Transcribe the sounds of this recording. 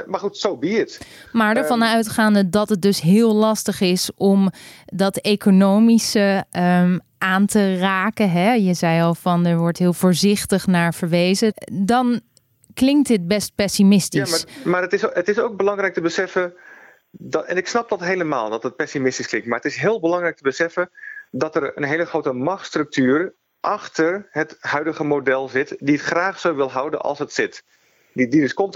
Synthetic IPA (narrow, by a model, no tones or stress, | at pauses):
maːχutsowbiət | maːɹdəɹvɑnœɥtχaːndədɑtət̚dɵsɦɪːlˠlɑstəχɪsɔmdɑtejkonowmisəm | ʔaːntəraːkəɦɛjəzɛjɑlˠvɑnəɹʋɔɹtɦɪːlˠv̥ʊːɹzɪχtəχnaːɹv̥əɹʋejzədɑn | klɪŋk̚tət̚bɛst̚pɛsimɪstimaːɹətɪsətɪsowk̚bəlɑŋrɛjk̚təbəsɛfən | dɛ̰nɪksnɑp̚dɑtɦejləma̰ːlˠdɑtət̚pɛsimɪstisklɪŋktmaːɹətɪsɦɪːlˠbəlɑŋrɛjk̚təbəsɛfəndɑtərə̰nɦejləχrowtəmɑχtstrɵk̚tyːr | ʔɑχtərɦəthœɥdəχəmodɛlˠzɪtdiətχraːχsowʋɪlˠɦʌwdə̰nɑ̰lˠsətsɪt | ididəskɔmt